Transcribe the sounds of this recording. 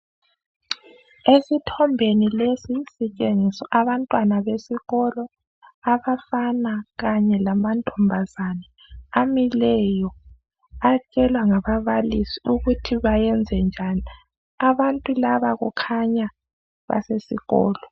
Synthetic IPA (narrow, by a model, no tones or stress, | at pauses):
esitʰɔmbʱenilesisit͡ʃʼeŋisɔʔaβantʼwanaβesiɣɔlɔ | aβafanaɣaɲɛlamantʼɔmbʱazana | amilɛjɔ | at͡ʃʼɛlwaŋaβaβalisiuɣutʰiβajɛnd͡zʱɛnd͡ʒʱani | aβantʼulaβaɣukʰaɲa | βa̰sesiɣɔ̰ːlɔ